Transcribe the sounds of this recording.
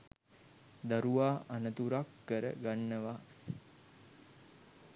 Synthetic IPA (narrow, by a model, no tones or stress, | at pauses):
d̪aɾuʋaːʔanət̪uɾakːəɾə̰ɡanːəʋa